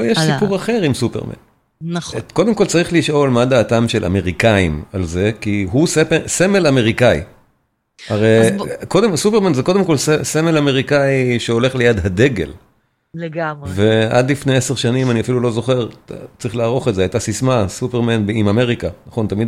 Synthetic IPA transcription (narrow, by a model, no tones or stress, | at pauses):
jeʃsipuʁaχe̞ʁimsupeʁmḛn | nχko̞d̪e̞mko̞lt͡saʁiχliʃo̞lmad̪aːtamʃelʔa̰me̞ʁikaimalze̞kiɦusese̞me̞lame̞ʁikai | aʁejkodemsupeʁmanzeko̞d̪emko̞lseseme̞lame̞ʁikaiʃeo̞le̞χle̞jad̪ɦade̞ɡe̞̰l | leɡavea̰d̪lifneeseʁʃanimaniafilulo̞zo̞χe̞ʁt͡saʁiχlaːʁo̞χetzeajt̪asismasupeʁmanbimame̞ʁikanaχo̞nt̪amid̪